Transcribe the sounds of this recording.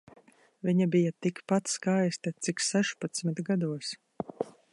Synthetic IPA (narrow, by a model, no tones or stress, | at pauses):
viɲabijat̪ikpat̪skajst̪at̪siksɛʃpat̪smit̪ɡad̪uɔs